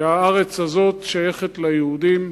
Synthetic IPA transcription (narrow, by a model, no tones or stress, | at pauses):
eaaʁet͡shazo̞t̪ʃajeχet̪lajehud̪im